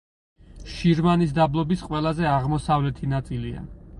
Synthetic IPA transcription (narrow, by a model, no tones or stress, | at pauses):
ʃiɾmanisd̪ablˠɔbisqʼwɛlˠazɛaʁmɔsavlɛt̪ʰinat̪sʼilia̰